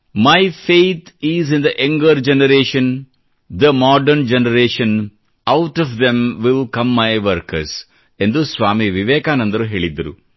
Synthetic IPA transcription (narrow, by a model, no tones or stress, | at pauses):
majfeːt̪ʰizĩnd̪ɐʔɐ̃ŋɡəɾd͡ʒɛnɐɾeːʃɐ̃n | d̪ɐmɔːɖɐɾnd͡ʒɛnɐɾeːʃɐ̃n | awʈɔfd̪ẽmʋɪlkɐ̃mːajʋɐɾkɐɾs | ẽnd̪usʋaːmiʋiʋeːkaːnɐ̃nd̪ɐɾuɦeːɭid̪ːɐɾṵ